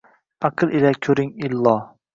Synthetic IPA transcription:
ɑqʰɨlˠilakʲʰɵɾɪŋilːɒ

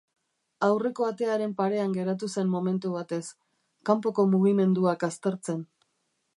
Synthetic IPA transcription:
awre̞ko̞at̪e̞aɾe̞mpaɾe̞aŋɡe̞ɾat̪̬use̞mmo̞me̞nt̪uβat̪e̞s | kampo̞ko̞muɣ̞ime̞nd̪uakast̪e̞ɾt͡se̞n

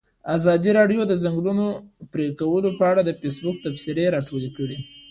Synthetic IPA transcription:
azɑd̪iɾɑɖjod̪əzaŋɡlunopɾekawəlopəaɽad̪əfesbʊk̚t̪apsɪɾeɾɑʈolekəɽi

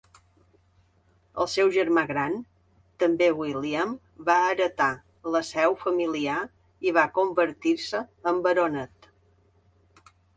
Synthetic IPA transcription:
ə̰lˠsɛwʒəɾmaɣɾan | t̪əmbewiliəm | baəɾət̪a | ləsɛwfəmilia | iβakombəɾt̪iɾsəːmbəɾonət̪

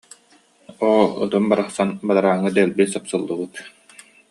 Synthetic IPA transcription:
ɔṵt̪ɯnbaɾaχsanbad̪aɾaːŋːɯd̪ɛlʲbisapsɯlˠːɯbut̪

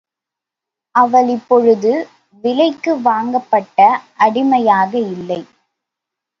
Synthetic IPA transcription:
ʔɐʋɐɭɪpːɔɻɯðɯ | ʋɪlɐɪkːɯʋaːŋɡɐpːɐʈːɐʔɐɽɪmɐjaːɣɐɪlːɐɪ

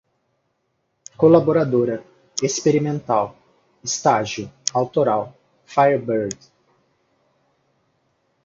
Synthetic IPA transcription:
kolaboɾad̪oɾɐ | espeɾimẽnt̪aw | ɪst̪aʒiʊawt̪oɾaw | fajeɾbeɾd

